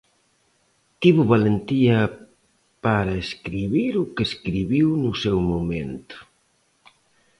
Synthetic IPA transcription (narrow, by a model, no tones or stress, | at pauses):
t̪iβʊβalent̪iɐ | paɾaeskɾiβiɾʊkeskɾiβiwnʊsɛwmoment̪ʊ̥